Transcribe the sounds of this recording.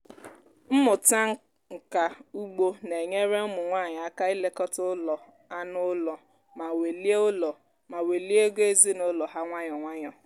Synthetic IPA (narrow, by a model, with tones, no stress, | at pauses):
m̩˦mʊ˨ta˦ŋ̩˦ | ŋ̩˨ka˨u˦ɡ͡bo˦ne˨ɲe˦ɾe˦ʊ˦mʊ˨ŋʷa˦˨ɲ˨a˦ka˦i˦le˦kɔ˦tʊ˦lɔ˨ | a˦nʊ˦lɔ˨ | ma˨we˨li˦lɔ˨ | ma˨we˨li˦e˦ɡo˦e˦zi˦nʊ˦lɔ˨ɦa˦ŋʷa˦ɲɔ˨ŋʷa˦ɲɔ˨